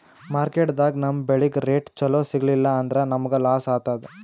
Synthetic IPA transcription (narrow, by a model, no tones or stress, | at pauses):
maːɾkeːʈd̪aːɡnɐmːɐbeɭiɡɾeːʈt͡ʃɐloːsiɡɐlilːɐːnd̪ɐɾenɐmɐɡelaːsaːt̪aːd̪e